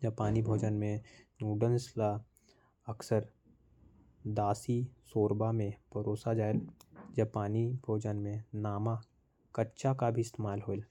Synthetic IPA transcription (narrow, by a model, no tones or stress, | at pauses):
d͡ʒɐpaːnibʱoːd͡ʒənmẽnuːɖənsla | əksəɾ | d̪aːsisoːɾbamẽbʱəɾoːsad͡ʒaːeld͡ʒəpaːnibʱoːd͡ʒənmẽnaːma | kətːʃakabʱiɪst̪eːmaːlɦoːl